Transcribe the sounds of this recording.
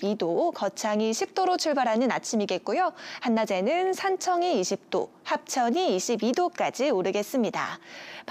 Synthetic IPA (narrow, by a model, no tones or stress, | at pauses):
idokʌt͡ɕʰaŋiɕʰip̚t͈oɾot͡ɕʰuɭbaɾɦanɯnat͡ɕʰimiɡe̞t̚k͈ojohanːad͡ʑe̞nɯnsʰant͡ɕʰʌŋiːɕʰip̚t͈o̰ | hap̚t͡ɕʰʌɲiːɕʰibidok͈ad͡ʑiuɾɯɡe̞s͈ɯmɲida̰p